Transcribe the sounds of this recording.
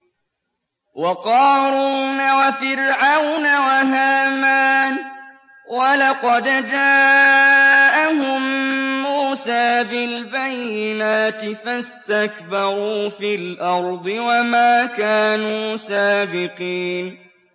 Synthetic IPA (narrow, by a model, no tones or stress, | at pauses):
wɑqɑːɾuːnawafɪɾʕawnawaɦaːmaːn | walɑqɑd̪d͡ʒaː | ʔaɦʊmːuːsaːbɪlbajːɪnaːt̪ɪfast̪akbɑɾˤuːfilʔɑɾˤd̪ˤɨwamaːkaːnuːsaːbɪqiːn